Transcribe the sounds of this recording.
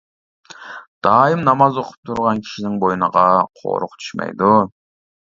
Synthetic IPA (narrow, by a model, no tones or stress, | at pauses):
d̪̥ɑːimnɑmɑzoqʰʊ̥p̚t̪ʰuɾʁɑnkʲʰi̥ʃinɪŋbojunəʁɑqʰo̰ɾʊqt̪t͡ʃ̪ʰy̥ʃmɛ̰jd̪u